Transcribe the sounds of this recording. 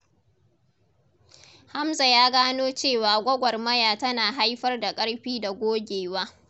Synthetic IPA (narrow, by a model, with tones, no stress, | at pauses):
ha˦mza˨jaː˦ɡaː˦noː˦t͡ʃeː˦˨waː˨ɡʷɐ˦ɡʷɐ˨rmɐ˦jaː˨tɐ˦naː˨ɦa˦jɸɐ˦rda˨kʼɐ˦ɽɸiː˦da˨ɡʷoː˦ɡʲeː˨waː˦